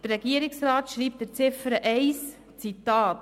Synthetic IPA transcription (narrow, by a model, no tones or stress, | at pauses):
d̥ərɛɡiəɾɪksɾɑːt̪ʃɾiːp̚tdəɾt͡sɪfəɾəʔɛɪs | t͡sitɑːt